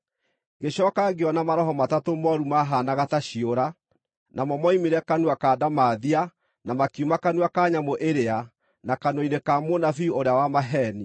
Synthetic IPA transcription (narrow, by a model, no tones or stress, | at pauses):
ɡeɕɔkaɡeɔnamaɾɔhɔmatatomɔɾumaɦanaɣataɕioɾa | nʔamɔmɔimeɾɛkanuakaːdamaðia | namakiumakanuakaɲamoʔeɾea | nakanɔinekamonafioɾeawamaɦɛni